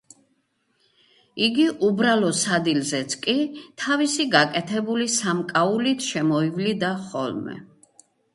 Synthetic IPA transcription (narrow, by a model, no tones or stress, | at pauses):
iɡiʔubɾalˠɔsad̪ilzɛt̪sʰkʼit̪ʰavisiɡakʼɛt̪ʰɛbulisamkʼaulit̪ʰʃɛmɔivlid̪aχɔ̰lmɛ̰